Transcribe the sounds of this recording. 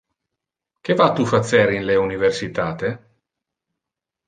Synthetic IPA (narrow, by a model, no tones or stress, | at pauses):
k̟evat̪ufat̪sːɛɾinleuniversit̪aːt̪e